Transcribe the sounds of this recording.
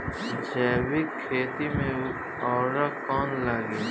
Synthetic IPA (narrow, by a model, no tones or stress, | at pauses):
d͡ʒɛːwɪkʰːeːt̪imẽ | ɔːɾakɔːnlaːɡe